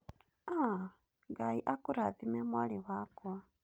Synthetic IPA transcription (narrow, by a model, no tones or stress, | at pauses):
a | ɡaiʔakuɾaðimemwaliwakua